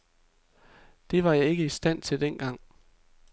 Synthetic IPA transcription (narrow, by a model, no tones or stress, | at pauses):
d̥e̝ʋɑ̈jɑ̈ɪe̝ɡ̥əisd̥æn̰t͡sʰe̝ld̥en̰ɡ̥ɑ̈ŋ̰